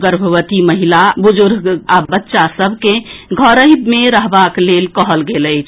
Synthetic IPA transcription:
ɡəɾbʱəʋət̪iməɦilabud͡ʒuɾɡɡabətːʃasəbʱkẽɡʱəɾəɦbmeɾəɦbaklelkəɦəlɡeləjt͡ʃʰ

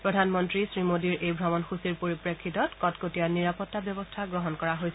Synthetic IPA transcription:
pɹɔdʱanmɔntɹisɹimodiɹʔejbʱɹɔmɔnxusiɹpoɹipɹekʰːitɔtkɔtkotijaniɹapɔtːabjɔbɔstʰaɡɹɔɦɔnkɔɹaɦojsɛ

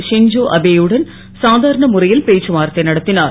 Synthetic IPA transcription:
ʂɪɲd͡ʒoːʔɐbeːjɯɽɐn | saːd̪ʱaːɾɐɳɐmʊrɐjɪlpeːt͡ʃːɯmaːɾɐt̪ːɐɪnɐɽɐt̪ːɪnaːɾ

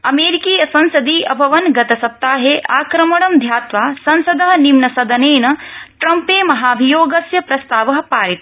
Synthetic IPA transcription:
ɐmeːɾikiːjɐsɐnsɐd̪iːʔɐbʱɐʋɐnɡɐt̪ɐsɐp̚t̪ːaːɦeːʔaːkɾɐmɐɽ̃ɐmd̪ʱjaːt̪ʋaːsɐnsɐd̪ɐɦɐnimnɐsɐd̪ɐneːnɐʈɾɐmpeːmɐɦaːɐbʱijoːɡɐsjɐpɾɐst̪aːʋɐɦɐ̆paːɾit̪

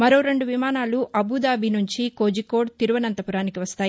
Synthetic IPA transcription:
mɐɾoːɾe̞ɳɖuʋimaːnaːluʔɐbud̪aːbʱinuɲt͡ʃiko̞ːd͡ʒiko̞ːɽt̪iɾuʋɐnɐnt̪ɐpuɾaːnikiʋɐst̪aːji

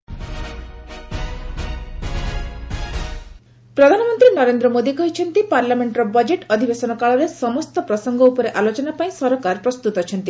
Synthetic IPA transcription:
pɾɔd̪ʱanɔmɔnt̪ɾinɔɾend̪ɾɔmod̪ikɔɦit͡ʃʰɔnt̪ipaɾlameɳʈɾɔbɔd͡ʒeʈɔd̪ʱibesɔnɔkaɭɔɾesɔmɔst̪ɔpɾɔsɔŋɡɔupɔɾeʔalot͡ʃɔnapaĩsɔɾɔkaɾpɾɔst̪ut̪ɔt͡ʃʰɔnt̪i

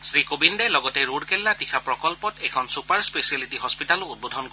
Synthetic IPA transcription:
sɹikobindelɔɡɔteɹuɽkɛlːatikʰapɹɔkɔlpɔtɛkʰɔnsupaɹspesialitiɦɔspitalʊud̚bod̪ʱɔnk

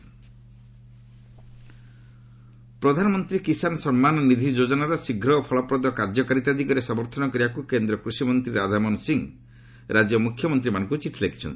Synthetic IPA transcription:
pɾɔd̪ʱanɔmɔnt̪ɾikisanɔsɔmmanɔnid̪ʱid͡ʒod͡ʒɔnaɾɔsiɡʱɾɔpʰɔɭɔpɾɔd̪ɔkaɾd͡ʒɔkaɾit̪ad̪ʱikɔɾesɔmɔɾt̪ʰɔnɔkɔɾijakukend̪ɾɔkɾusimɔnt̪ɾiɾad̪ʱamɔnsiŋ | ɾad͡ʒjɔmukʰjɔmɔnt̪ɾimanɔ̃ŋkut͡ʃiʈʰilekʰi̥t͡ʃʰɔ̰nt̪i̥

